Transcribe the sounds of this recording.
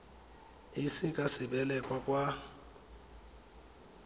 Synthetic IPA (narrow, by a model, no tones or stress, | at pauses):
ɪsɪkʼasɪbɛlɛkʼwakʼwa